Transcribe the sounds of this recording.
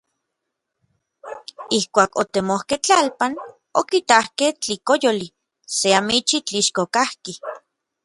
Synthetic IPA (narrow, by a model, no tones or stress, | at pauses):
ihkʷaːkot̪emohkeht͡ɬalpan | okit̪ahkeht͡ɬikojoli | seamit͡ʃit͡ɬiʃkokahki